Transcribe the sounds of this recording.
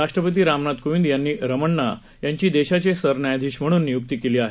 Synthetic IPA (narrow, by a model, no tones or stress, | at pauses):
ɾaʂʈɾəpət̪̬iːɾamnat̪kuʋind̪janːiːɾəməɳːa̰ | jaɲt͡ɕiːd̪eɕat͡ɕesəɾnajad̪ʱiːɕm̤əɽ̃uːnːijuk̚t̪iːkeliːaɦe